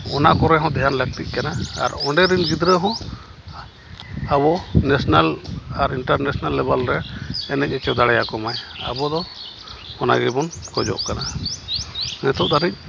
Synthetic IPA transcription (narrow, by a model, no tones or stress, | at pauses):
ɔnakɔɾɛɦɔ̃d̪ɛɦanlək̚t̪ic̚kanaa̰ɾɔɳɖɛɾinɡid̪ɾɛɦɔ̃ | abɔnɛsnalaɾiɳʈaɾnɛsnalːɛbalɾɛɛnɛc̚ɛt͡ʃɛd̪aɽɛjakɔmaja̰bɔd̪ɔ | hɔna̰ɡɛbɔnkɔd͡ʒɔ̰ʔkana | nɛt̪ʰɔʔd̪ʱaɾic̚ˀ